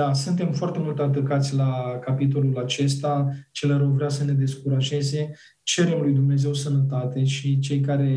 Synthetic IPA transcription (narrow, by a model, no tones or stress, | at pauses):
asunt̪e̞mfoart̪e̞mult̪at̪əkat̪sʲlakapit̪̬o̞lulat͡ʃe̞s̬t̪at͡ʃe̞leɾəwvɾeasəne̞d̪e̞skuɾaʒe̞ze̞ | t͡ʃe̞ɾe̞mlujd̪umne̞ze̞wsənət̪at̪e̞ʃit͡ʃe̞jkaɾe̞